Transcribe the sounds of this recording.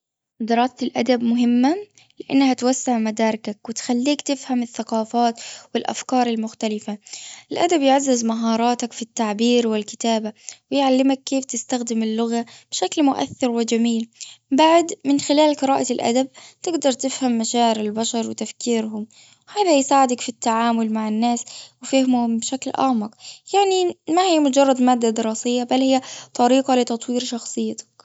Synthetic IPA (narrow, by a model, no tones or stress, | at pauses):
d̪ɪɾˤɑːstɪlʔad̪abmʊɦɪmːa | lɪʔanːhat̪wasːaʕmad̪ɑːɾˤɪkakwɪt̪xalːiːkt̪ɪfhamɪθːaqɑːfaːt̪wɪlʔa̰fkɑːɾˤɪlmʊxt̪alɪfaʔɪlʔad̪abjɪʕazːɪzmaɦɑːɾˤɑːt̪akfit̪ːaʕbiːɾwɪlkɪ̥t̪aːbawɪjʕalːɪmakːeːft̪ɪst̪axd̪ɪmɪlːʊɣab̥ɪʃaklmʊʔa̰θːɪɾwɪd͡ʒamiːlbaʕd̪mɪnxɪlaːlqɨɾɑːʔalʔa̰d̪ab̚t̪ɪɡd̪ɑɾˤt̪ɪfhamːaʃaːʕɪɾɪlbaʃɑɾˤwɪt̪afkiːɾɦʊm | haːðajsaːʕɪd̪akfit̪ːaʕaːmʊlmaʕɪnːaːswɪfahɪmʊhʊmbɪʃaklʔa̰ʕmɑqjaʕnimahijːmʊd͡ʒɑrˤːɑd̪maːd̪ːad̪ɪɾˤɑːsɪjːabalːhɪjːat̪ˤɑɾiːqɑlɪt̪ɑt̪ˤwiːɾʃɑxsˤɨjːɪt̪ḁk